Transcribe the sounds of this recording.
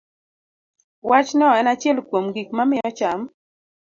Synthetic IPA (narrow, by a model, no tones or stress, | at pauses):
wat͡ʃnɔɛnat͡ʃɛlkwomɡik̚mamɪɾɔt͡ʃam